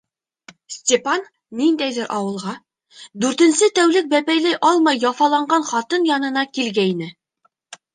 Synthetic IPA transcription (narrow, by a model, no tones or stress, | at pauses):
sʲtʲepan | nind̪æjðɘɾʔɒwɤ̆lˠʁɑ | d̪ʉɾt̪ɘ̆nsɘt̪æwlɘk̚bæpæjlæjʔɒlˠmɑjːɒfɑlˠɑɴɢɑnχɑt̪ɤnjɑnɤ̆nɑkilɡæinɘ